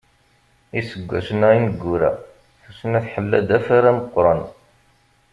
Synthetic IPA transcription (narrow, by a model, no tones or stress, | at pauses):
isəɡʷːæ̰sənæinəɡːuɾæ̰ | θusənæθħəlːæd̪æfaɾæməqːɾˤɑn